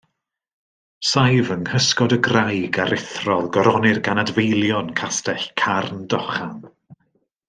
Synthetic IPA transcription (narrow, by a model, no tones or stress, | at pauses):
sajvənhəskɔdəɡrajɡaɾɪθrɔðɡɔɾɔnɪrɡanadvejlˠjɔnkʰastɛɬkʰarndɔχan